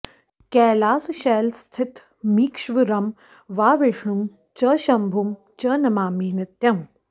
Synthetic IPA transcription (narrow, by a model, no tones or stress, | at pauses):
kɛːlaːsuʃɛːlst̪ʰɪt̪ | miːkʃʋiɾɐm | ʋaːʋeʂɳum | t͡ʃɐːʃɐmbʱum | t͡ʃɐːnɐmaːmiːnɐt̪ːjɐm